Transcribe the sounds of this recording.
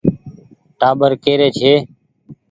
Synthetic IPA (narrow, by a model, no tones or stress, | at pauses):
ʈaːbəɾkeːɾeːt͡ʃʰeː